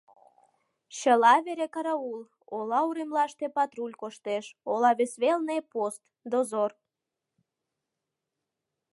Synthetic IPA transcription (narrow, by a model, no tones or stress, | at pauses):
ɕəlɑβeɾekɑɾɑul | olɑuɾemlɑʃt̪epɑt̪ɾulʲkoʃt̪eʃolɑβesβelnepost̪ | d̪ozor